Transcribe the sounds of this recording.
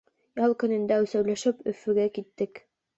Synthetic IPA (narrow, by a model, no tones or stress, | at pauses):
jɑlˠkɵ̆nɘ̆nd̪æʉsæwlæʃɘpɵ̰̆fɵ̆ɡækit̪ːɘk